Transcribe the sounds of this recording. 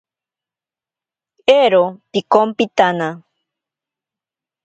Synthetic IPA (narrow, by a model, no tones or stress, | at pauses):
eɾopikompit̪ana